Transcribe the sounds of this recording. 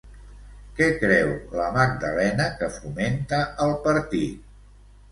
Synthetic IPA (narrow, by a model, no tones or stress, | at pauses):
kɛkɾɛwləmaɡ̚d̪əlɛnəkəfument̪əːlˠpəɾt̪it̪̚